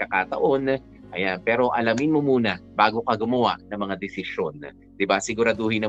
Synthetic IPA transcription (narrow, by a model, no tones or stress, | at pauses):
kɐkat̪ɐ̰ʔo̞n | ʔɐjanpɛːɾo̞ʔɐlɐmɪnmo̞muːnɐbaːɡo̞kɐɡʊmɐwa̰ʔnɐŋmɐŋad̪ɛsɪʃo̞n | d̪̥ɪbasɪɡʊɾɐd̪ohɪnɐ